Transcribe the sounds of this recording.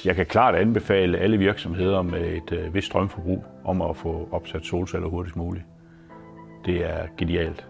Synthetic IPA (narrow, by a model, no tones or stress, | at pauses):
jɑ̈ɪkʰækʰlɑ̰̈ːd̥ænb̥e̝fɛ̰ːləʔæləʋiɐɡ̥sɒ̽mɦe̝ð̞̰ˠɐmee̝d̥ʋe̝sd̥ʁɶmfɒb̥ʁṵːʔɒ̽mɒfɔ̽ɒ̽b̥sæd̥so̝ːlsæl̰ɐɦoɐɾisɡ̥muːli | d̥e̝æɐɡ̥e̝niɛ̰ːld̥